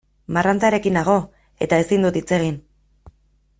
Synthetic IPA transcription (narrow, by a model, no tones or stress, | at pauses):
marant͡saɾe̞kinaɣ̞o̞ | e̞t̪aesind̪ut̪it͡se̞ɣ̞in